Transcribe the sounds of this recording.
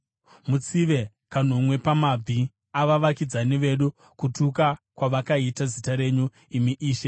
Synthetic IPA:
mut͡siʋe̞ | kan̤omwe̞pamab͡vʱi | aʋaʋakid͡zaniʋe̞ɗu | kutukakwaʋakaitazitaɾe̞ɲu | imiʔiːʃe

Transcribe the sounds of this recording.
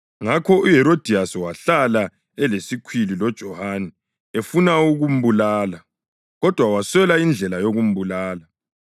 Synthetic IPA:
ŋakʰɔuɦɛɾod̥ʱiaswaɬala | ɛlesikʰwililɔd̥ʒ̥ʱɔhanɛ | efunauɣum̩bulaːla | ɣɔd̥ʱwawaswɛlaind͡ɮʱɛlajoɣum̩bulaːla

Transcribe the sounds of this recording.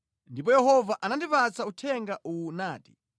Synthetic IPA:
ndipɔjɛhɔvaʔanandipat͡sautʰɛŋɡaʔunaːti̥

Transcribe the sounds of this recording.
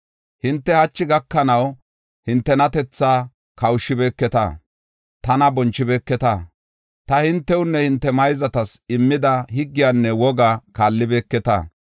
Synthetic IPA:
hɪnt̪ːɛhɐt͡ʃːɪɡɐkːɐnɐw | hɪnt̪ːɛnɐt̪ɛt͡sːaː | kɐwʊʃɪbeːkːɛt̪ɐ̰ | t̪ɐnɐbɔnt͡ʃːɪbeːkːɛt̪ɐ | t̪ɐhɪnt̪ːɛwʊnːɛhɪnt̪ːɛmɐjzɐt̪ɐsɪmːɪd̪ɐhɪɡːɪjanːɛwɔɡakaːlːɪbeːkːɛt̪ɐ̰ː

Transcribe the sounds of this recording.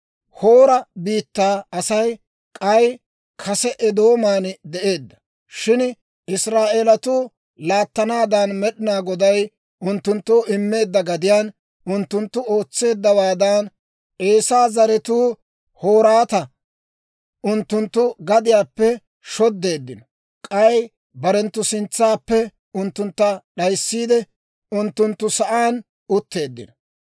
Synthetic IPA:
ho̞ːɾɐbiːt̪ːaːɐsɐj | kʼɐj | kʰɐsɛʔɛd̪o̞ːmaːnd̪ɛʔe̞ːd̪ːɐ̥ | ʃɪn | ɪsɾaːʔeːlɐt̪ʊː | laːt̪ːɐnaːd̪anmɛɗɪnaːɡɔd̪ɐj | ʔʊnt̪ːʊnt̪ːoːʔɪmːe̞ːd̪ːɐɡɐd̪ɪjaːn | ʔʊnt̪ːʊnt̪ːʊo̞ːt͡sːe̞ːd̪ːɐwaːd̪aːn | ʔe̞ːsaːzɐɾɛt̪uː | ho̞ːɾaːt̪ɐ | ʊnt̪ːʊnt̪ːʊɡɐd̪ɪjaːpːɛ | ʃɔd̪ːe̞ːd̪ːɪnɔ | kʼɐj | bɐɾɛnt̪ːʊsɪnt͡sːaːpːɛ | ʊnt̪ːʊnt̪ːɐɗɐjsːiːd̪ɛ | ʊnt̪ːʊnt̪ːʊsɐʔaːn | ʊt̪ːe̞ːd̪ːɪ̰nɔ̥

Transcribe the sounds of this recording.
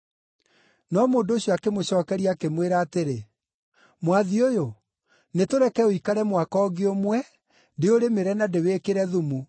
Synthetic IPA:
nɔmoːndoːɕiɔakemoɕɔːkɛɾiakemweɾaːteɾe | mwaðiojo | netoɾɛkɛoikaɾɛmwakɔːɡeomwɛ | deoɾemeɾɛnadeweːkeɾɛðumu

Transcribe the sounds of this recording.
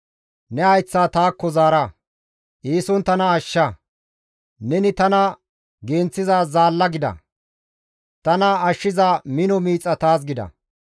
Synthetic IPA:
nɛɐjt͡sːaːt̪aːkːɔzaːɾɐ | ʔiːsɔnt̪ɐnɐːʃːɐ | nɛnɪt̪ɐnɐ | ɡe̞ːnt͡sːɪzaːzaːlːɐɡɪd̪ɐ̰ | t̪ɐnɐɐʃːɪzamɪnɔmiːt͡sʼːɐt̪aːs̬ɡɪd̪ɐ̰

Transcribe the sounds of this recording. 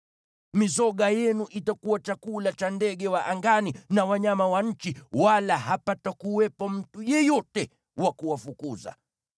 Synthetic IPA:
mizɔɠajɛnuʔitakuwat͡ʃakulat͡ʃandɛɠɛwaʔaŋɡaninawaɲamawaɲ̩t͡ʃiwalaɦapatakuwɛpɔm̩tujɛjɔtɛ | wakuwafukuza̰

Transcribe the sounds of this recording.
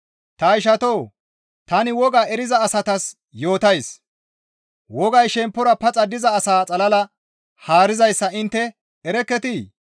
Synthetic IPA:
t̪ɐɪʃ̬ɐt̪oː | t̪ɐnɪwɔɡaːɛɾɪzɐːsɐt̪ɐs | jo̞ːt̪ɐjs | wɔɡɐjʃɛmpːɔɾɐpɐt͡sʼɐd̪ɪzɐːsaːt͡sʼɐlɐlɐ | haːɾɪzɐjsːɐɪnt̪ːɛ | ɛɾɛkːɛt̪iː

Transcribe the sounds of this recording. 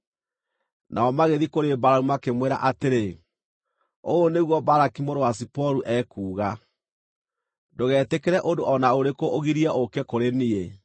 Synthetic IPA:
nʔaɔmaɣeðikoɾebaɾaumakemweɾa̰ʔateɾe | oːneɣwɔbaɾakimoɾowas̬ipɔɾuʔɛkuːɣa | doɣɛːtekeɾɛʔondoʔɔnaoɾekoʔoɣiɾiaʔokɛkoɾenie

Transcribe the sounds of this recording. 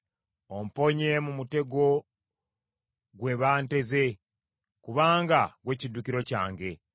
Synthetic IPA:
o̞m̩po̞ɲe̞mumute̞ɡo̞ | ɡwe̞βaːnte̞ze̞ | kuβaːŋɡaɡwe̞ːcidːukiɾo̞ca̰ːŋɡe̞

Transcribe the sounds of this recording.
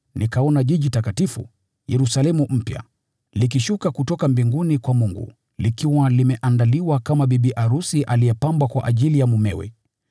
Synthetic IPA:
nikaɔnaʄiʄitakatifṵ | jɛɾusalɛmum̩pja̰ | likiʃukakutɔkambiŋɡunikwamuŋɡṵ | likiwalimɛʔandaliwakamaɓiɓiʔaɾusiʔalijɛpambwakwa̰ʔaʄilijamumɛ̰wɛ̰

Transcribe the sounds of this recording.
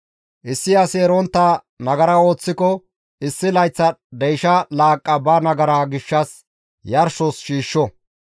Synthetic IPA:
ʔɪsːɪɐseːɾɔnt̪ːɐ | nɐɡɐɾɐo̞ːt͡sːɪkɔ | ɪsːɪlɐjt͡sːɐd̪ɛjʃɐlaːkʼːɐbɐnɐɡɐɾaːɡɪʃːɐs | jɐɾʃɔsʃiːʃːɔ

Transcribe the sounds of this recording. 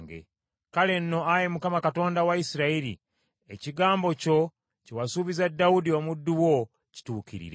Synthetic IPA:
ɡḛ | kale̞nːo̞aje̞mukamakato̞ːndawaisiɾaiɾḭ | e̞ciɡaːmbo̞co̞ | cewasuβizadːawudio̞mudːuwo̞ | ci̥tuːkḭɾḭɾe

